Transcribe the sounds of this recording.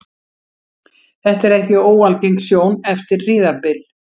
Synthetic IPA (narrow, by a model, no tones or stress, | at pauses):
θɛht̪ɛɾɛhcɪoːwalciŋksjoːwnɛft̪ɪɾrɪːðaɾpɪl